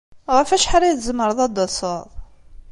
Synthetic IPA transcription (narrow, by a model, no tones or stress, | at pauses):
ʁəfæʃħaɾijθzəmːəɾˤəðˤɑd̪ɑsəðˤ